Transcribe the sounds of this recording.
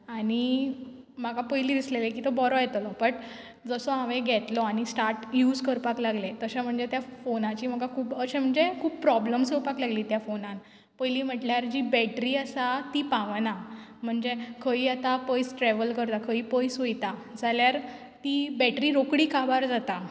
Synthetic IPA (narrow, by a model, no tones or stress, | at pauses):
aɽ̃i | m̤aɡapəjliːd̪islelekiːt̪ɔbɔɾɔjɛt̪lɔbəʈ | d͡zəsɔaʋẽɡʱɛt̪lɔaɽ̃isʈaɾʈjuːd͡zkəɾpaklaɡlet̪əɕam̤əɳd͡zet̪jafonat͡ɕiːm̤aɡakʰuːbəɕẽm̤əɳd͡zekʰuːb̚pɾɔbləmsəpaklaɡliːt̪jafonãn | pəjliːm̤əʈljaɾd͡ʑiːbɛʈɾiːəsat̪iːpãʋnam̤əɳd͡zekʰəiːat̪apəjsʈɾɛʋəlkəɾt̪akʰəiːpəjsɦojt̪ad͡zaljaɾ | t̪ibɛʈɾiːɾokɽiːkʰabaɾd͡zat̪a